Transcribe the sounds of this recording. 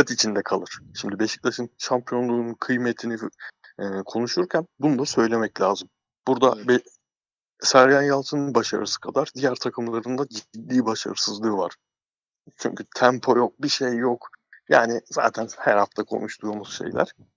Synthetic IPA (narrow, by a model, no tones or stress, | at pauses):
at̪it͡ʃʰind̪ɛkʰalˠɯɾ̥ʃimd̪ibeʃi̥c̚lʲaʃɯnʃampʰijo̞nlˠuːnunkʰɯjmet̪ʰiniː | kʰo̞nuʃuɾcʰænbunud̪asø̞jlʲe̞mɛclʲaːzɯm | b̥uɾd̪abi | sæɾjanjalˠt̪ʰɯnɯnbaʃa̰ɾɯ̰sɯ̥kʰad̪aɾd̪ijæɾt̪ʰakʰɯmlˠaɾɯnd̪ad͡ʒd̪lʲiːbaʃa̰ɾɯsɯzlˠɯːva̰ɾ̥ | t͡ʃʰy̰ɲcʰyt̪ʰæmpʰo̞jok̚biʃejːokja̰ːniza̰ːt̪ʰænhæɾhaft̪ʰakʰo̞̰nuʃt̪ʰujmuz̥ʃe̞̰jlʲæ̰ɾ̥